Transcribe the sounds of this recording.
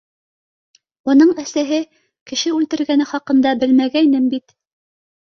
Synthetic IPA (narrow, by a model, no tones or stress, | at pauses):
unɤɴæsæɦɘ | kɘ̆ʃɘʉlt̪ɘ̆ɾɡænɘχɑqɤ̆nd̪ɑbɘlmæɡæinɘmbit̪